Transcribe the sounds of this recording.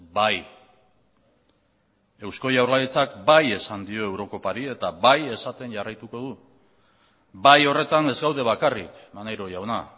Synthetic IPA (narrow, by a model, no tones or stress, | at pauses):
baj | e̞wsko̞jawrlalit͡sakbaje̞sand̪io̞e̞wɾo̞ko̞paɾie̞t̪abaje̞sat̪e̞nʝarajt̪uko̞ðu | bajo̞re̞t̪ane̞zɡawðe̞βakarikmanajɾo̞jawna